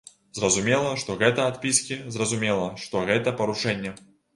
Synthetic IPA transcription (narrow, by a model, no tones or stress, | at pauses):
zrɐzumʲelˠɐʂt̪ɔɣɛt̪ɐat̪pʲiskʲizrɐzumʲelˠɐʂt̪ɔɣɛt̪ɐpɐɾuʂɛnʲːɛ